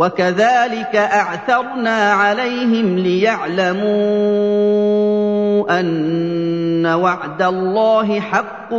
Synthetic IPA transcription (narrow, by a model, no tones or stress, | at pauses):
wakaðaːlɪkaʔaʕθɑɾˤnaːʕalajɦɪmlɪjaʕlamuː | ʔanː | awaʕd̪alˤːɑːɦɪħɑqː